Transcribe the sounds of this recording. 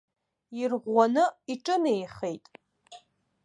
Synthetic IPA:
irʁʷanɨiʈ͡ʂʼɨnejχejtʼ

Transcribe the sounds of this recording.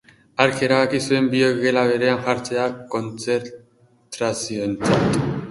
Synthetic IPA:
aɾkʰeɾaɣakisuembioɣelaβeɾeanxaɾt͡seakont͡sʰeɾ | t̪ɾasiont͡sat̪

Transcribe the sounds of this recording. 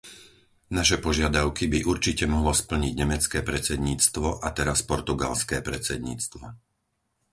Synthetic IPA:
naʃ̬ɛpɔʒɪad̪aʊkibiʔuɾt͡ʃicɛmɔɦlɔspl̩ɲiɟɲɛmɛt͡skɛːpɾɛt͡sɛd̪ɲiːt͡st̪ʋɔʔat̪ɛɾaspɔɾt̪uɡa̰lskɛːpɾɛt͡sɛd̪ɲḭːt͡st̪ʋɔ

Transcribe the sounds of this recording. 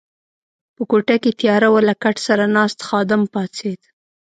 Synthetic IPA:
pəkoʈaket̪jɑɾawalakaʈsaɾanɑst̪xɑd̪ɪmpɑt͡sed̪

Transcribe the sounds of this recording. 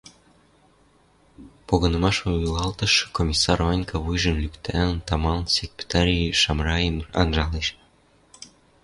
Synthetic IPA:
poɣɤ̆nɤ̆mɑʃulˠɑlt̪ɤ̆ʃkomʲisːɑrvɑnʲkʰɑβujʒə̆mlʲykt̪ʰænt̪ɑmɑlnsʲekpʲe̥t̪ɑɾʲiʃɑmrɑemɑ̰nʒɑleʃ

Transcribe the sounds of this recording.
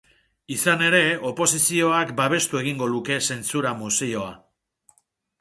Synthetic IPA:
isane̞ɾe̞o̞po̞sisio̞akbaβ̞e̞st̪ue̞ɣ̞iŋɡo̞luke̞se̞nt͡suɾamusio̞a̰

